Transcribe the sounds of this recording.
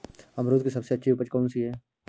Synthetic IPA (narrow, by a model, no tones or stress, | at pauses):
ɐmɾoːd̪̚kisɐbseɐtːʃʰiupəd͡ʒkɔːnsiɦɛː